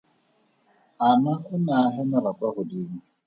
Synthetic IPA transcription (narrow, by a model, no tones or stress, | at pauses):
amaʊnaaɦɪnʊɾakʷaɣʊdim̩